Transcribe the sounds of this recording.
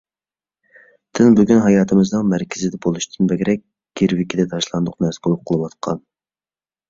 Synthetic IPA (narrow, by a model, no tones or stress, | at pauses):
d̪̥ɪnbyɡʲynɦɑjɑːt̪ʰɨmɨznɨŋmæɾkʲʰɪzɪd̪ɛbolˠuʃt̪ʰɨnbɛɡʲɾɛk̚ʲ | ɡ̥ʲeɾwɪkʲid̪ɛt̪ʰɑʃlˠɑnd̪ʊqnɛsbolˠʊp̚qʰːəlˠɨwɑt̪̚qʰɑn